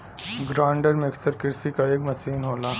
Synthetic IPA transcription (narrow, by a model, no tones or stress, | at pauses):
ɡɾãːɳɖəɾmeksəɾkɪɾsikaekmɐsiːnɦoːla